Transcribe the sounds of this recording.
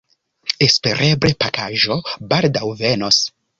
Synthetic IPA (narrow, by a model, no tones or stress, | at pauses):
espe̞ɾʔebɾepakaʒo̞baldawvenos